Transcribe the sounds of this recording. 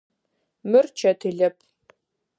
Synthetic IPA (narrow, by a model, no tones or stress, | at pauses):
mɨrt͡ʃʰɐtʰɨɮɐpʰ